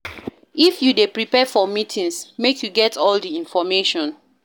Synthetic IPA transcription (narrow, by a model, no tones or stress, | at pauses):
ifjudepɹipɛfɔmitʰĩŋsmekʰjuɡɛtʰɔldiĩnfɔmeʃɔ̃n